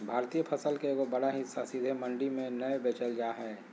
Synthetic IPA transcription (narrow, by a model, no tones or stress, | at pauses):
bʱaːɾt̪iːjəpʰəsəlkeɡobɐɽaɦɪsːasid̪ʱemɐ̃ɳɖimẽnɐebeːt͡ʃəld͡ʒaːɦɛː